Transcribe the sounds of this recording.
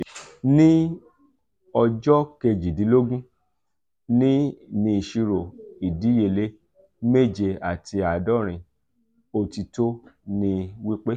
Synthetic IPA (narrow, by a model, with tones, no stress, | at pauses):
nĩ˦ | ɔ˧d͡ʒɔ˦ke˧d͡ʒi˨dĩ˨˦lo˦ɡũ˦ | nĩ˦nĩ˧i˨ʃi˧ɾo˨i˨di˨˦je˧˨le˦ | me˦˨d͡ʒe˧a˨tʰi˧a˨dɔ˦˨ɾ̃ĩ˧ | o˧ti˧to˦nĩ˧wi˦k͡pe˦